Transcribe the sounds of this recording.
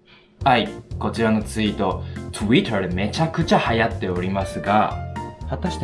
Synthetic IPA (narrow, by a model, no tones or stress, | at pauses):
aiko̞t͡ɕiɾano̞t͡sɨit̪o̞t̪ʰoit̪aɾeme̞t͡ɕakɯ̟t͡ɕahajat̪ːe̞o̞ɾʲimasɨɡahat̪aɕi̥t̪